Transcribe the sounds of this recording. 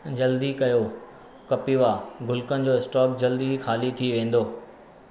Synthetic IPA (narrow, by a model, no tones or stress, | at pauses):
d͡ʑɐld̪ikɐjo | kɐpiʋaːɡʊlkənɪ̆d͡ʑoːɪsʈɔːk̚d͡ʑɐld̪ixaːlit̪ʰiʋẽːn̆d̪oː